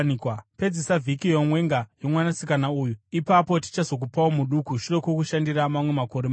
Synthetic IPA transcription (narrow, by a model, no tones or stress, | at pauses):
nikwape̞d͡zesavʱikijomwe̞ŋɡajo̞mwanasikanauːjuipapo̞ti̥t͡ʃazo̞k̬upawomuɗukuʃure̞kwokuʃandiramamwe̞mako̞ɾema